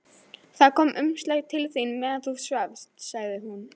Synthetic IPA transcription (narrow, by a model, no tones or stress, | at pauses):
θaðkʰɔːmʔʏmst̪œɥt̪ʰɪlθinmɛːðanθusavst̪saɣðɪɦun